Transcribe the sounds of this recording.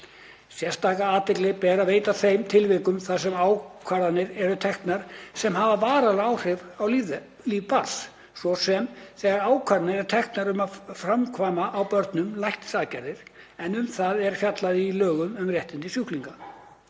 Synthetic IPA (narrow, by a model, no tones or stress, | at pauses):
sjɛ̥st̪aːkaaːt̪ɪklɪɣpɛːɾaveːjt̪aθejmt̪ʰɪlvɪkʏmθaðsɛmaːwkʰvaɾðanɪɾɛɾʏt̪ʰɛxt̪naɾ̥sɛmhavavaːɾalaawr̥ɪvawliv | liːvpaɾs | svɔsɛmθɛːɣaɾaːwkʰaɾnɪɾɛɾt̪ʰɛxt̪naɾʏmafɾamkʰvaːjmaʔːwpœɾt̪nʏmlajht̪saːðcaɾðɪɾ̥ɛnʏmθaðɛɾ̥fjat̪laðɪilœːɣʏmʏmrjɛht̪ɪnt̪ɪsjʏhkliŋka